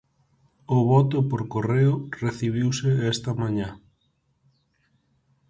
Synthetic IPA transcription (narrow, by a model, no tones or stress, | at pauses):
ʊβɔt̪ʊpoɾkoreʊreθiβ̞iwseɛst̪ɐmãɲã